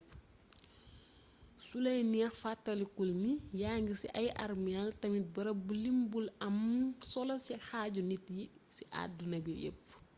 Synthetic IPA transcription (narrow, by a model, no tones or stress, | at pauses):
sulɐjniɛxfatːɐlikulnijaːŋɡisḭʔɐjʔɐ̰rmialtɐmit̚bɐɾɐbulimbulɐmsɔlɐsixaːɟunitjisiʔa̰dunɐbijə̰pː